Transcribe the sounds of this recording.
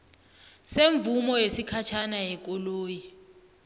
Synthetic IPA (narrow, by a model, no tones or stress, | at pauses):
seɱb̪vumɔjesikʰat͡ʃʰanajɛk̬ʼɔloːji